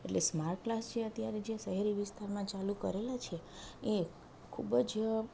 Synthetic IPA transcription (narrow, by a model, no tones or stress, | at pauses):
ḛʈlesmaɾʈ̚klast͡ʃʰeət̪jaɾed͡ʒeʃəɦeɾiʋɪst̪ʰaɾmãt͡ʃalũkə̰ɾelat͡ʃʰee | kʰubəd͡ʒ